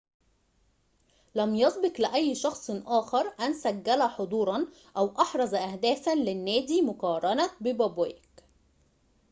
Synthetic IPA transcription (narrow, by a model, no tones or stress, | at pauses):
læmjɑsˤbɪqlɪʔæjːʃɑxsˤʔɑːxɑɾˤʔænsæɡːælæħod̪ˤuːɾˤɑn | ʔæwʔɑħɾˤɑzʔæhd̪æːfænlɪnːæːd̪iːmʊqɑːɾˤɑnæbɪbæbwæːɪk